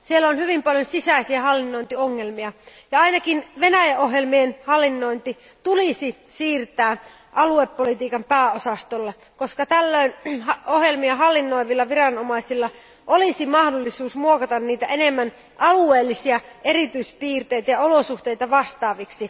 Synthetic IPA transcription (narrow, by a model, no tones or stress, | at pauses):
sielːæonhyʋimpɑljonsisæisiæhɑlːinːojnt̪ioŋːelmiɑjɑɑinɑkinʋenæjæʔoɦjelmienhɑlːinːoint̪i | t̪ulisisiːrt̪æː | ʔɑluepːolit̪iːkɑmpæːosɑst̪olːe | koskɑt̪ælːøinɑohjelmiɑɦɑlːinːoiʋilːɑʋirɑnomɑisilːɑ | ʔolisimɑhdolːisuːsmuokɑt̪ɑnniːt̪æenemːæn | ʔɑlueːlːisiæʔerit̪yispiːrt̪eit̪æjɑolosuht̪eijt̪ɑʋɑst̪ɑːʋiksi